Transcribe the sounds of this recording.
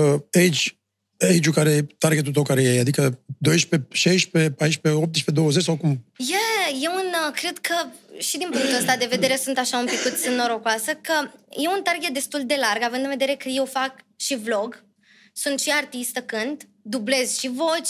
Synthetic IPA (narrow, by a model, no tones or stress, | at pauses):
eid͡ʒt͡ʃʲ | eid͡ʒukaɾeet̪arɡe̞t̪̬ut̪əwkaɾejead̪ikəd̪o̞jʃpe̞ʃejʃpe̞pajʃpe̞op̚t̪ʃped̪o̞wəzet͡ʃʲsawkumjeje̞unkɾe̞d̪kʰəʃid̪inpuŋk̚t̪uəst̪ad̪e̞ve̞d̪e̞ɾe̞sunt̪aʃaumpikut̪sʲɨnoɾo̞kwasəkəje̞unt̪arɡe̞t̪̚d̪e̞st̪uld̪e̞larɡavɨnd̪ɨnved̪eɾekəje̞wfakʃivlo̞ɡ | sunt̪ʃiart̪ist̪əkɨnd̪ | d̪uble̞zʃivo̞t͡ʃʲ